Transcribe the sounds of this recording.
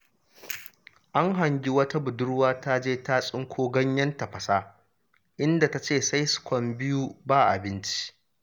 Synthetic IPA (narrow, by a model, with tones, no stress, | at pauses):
ʔa˦ŋɦa˨ŋɡʲi˦wɐ˦ta˦bʊ˨dʊ˦ɽwaː˦ta˦d͡ʒeː˦ta˦sʼɪ˦ŋkʷʰoː˦ɡɐ˦ɲjɐ˦ntɐ˨ɸɐ˨saː˦ | ʔɪ˦nda˨ta˨˦t͡ʃeː˦˨sa˦jskʷɔ˦mbɪ˦ju˦baː˦ʔa˨bɪ˦nt͡ʃi̥˦ʔ